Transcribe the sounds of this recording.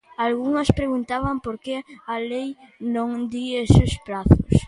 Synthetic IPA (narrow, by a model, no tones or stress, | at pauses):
alɣuŋɐspɾeɣunt̪aβɐmpoɾkeɐlej | nõŋd̪iesʊspɾaθʊs